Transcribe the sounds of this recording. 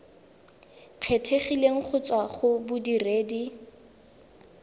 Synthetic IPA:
q͡χʰetʰeχileŋ̩χʰʊt͡swaχʊbʊdireːdi

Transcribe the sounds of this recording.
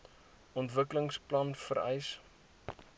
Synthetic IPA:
ɔntvəkələŋsplɐnfəɾɛ̰js

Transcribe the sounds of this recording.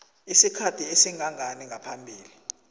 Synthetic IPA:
isikʰatʰiesiŋaŋaniŋʱapʰambʱiːli

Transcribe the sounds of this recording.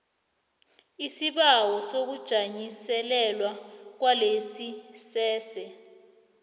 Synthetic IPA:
isiɓawɔsok̬ud̥ʒ̥ʱaɲisɛlɛlwak̬walesisɛːsɛ

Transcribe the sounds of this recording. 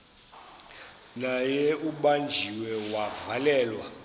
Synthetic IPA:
najɛuɓand͡ʒʱiwɛwavalɛːlwa

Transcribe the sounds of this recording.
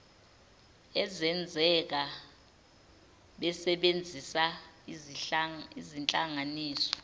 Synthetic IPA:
ɛzɛnd͡zʱɛk̬a | ɓɛsɛɓend͡zʱisa | izint͡ɬʼaŋaniːsɔ̥

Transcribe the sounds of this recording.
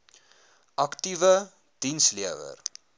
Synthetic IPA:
ʔɐktivə | d̥insliəvə̰r

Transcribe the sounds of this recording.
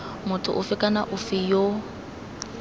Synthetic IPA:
mʊtʰʊ̰ʔʊfɪkʼanaʔʊfɪjo

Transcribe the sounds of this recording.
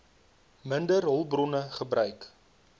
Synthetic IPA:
məndərɦɔlˠbrɔnəχəbrœɥk

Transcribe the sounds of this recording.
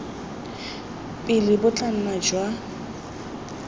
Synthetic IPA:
pʼɪlɪbʊt͡ɬʼan̩nad͡ʒwa

